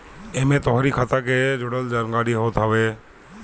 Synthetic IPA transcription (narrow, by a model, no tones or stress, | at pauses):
emẽt̪ɔɦɾikʰat̪aked͡ʒʊɽəld͡ʒaɾɡaːɽiɦoːt̪ɦaʋe